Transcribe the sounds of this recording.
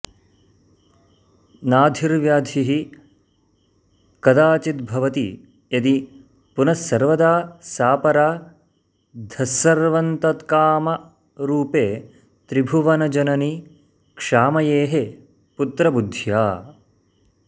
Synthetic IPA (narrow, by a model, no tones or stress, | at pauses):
naːd̪ʱiɾʋjaːd̪ʱiɦi | kɐd̪aːt͡ʃit̪̚bʱɐʋɐt̪ḭ | jɐd̪i | punɐsːɐɾʋɐd̪aːsaːpɐɾaː | d̪ʱɐsːɐɾʋɐnt̪ɐt̪kaːmɐ | ɾuːpeː | t̪ɾibʱuʋɐnɐd͡ʒɐnɐni | kʂaːmɐjeːɦe | put̪ɾɐbud̪ʱjaː